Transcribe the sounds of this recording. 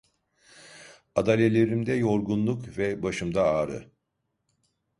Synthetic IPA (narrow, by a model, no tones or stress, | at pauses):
ad̪alʲelʲe̞ɾimd̪ɛjo̞ɾɡunlˠukvɛbaʃɯmd̪aaːɾɯ̰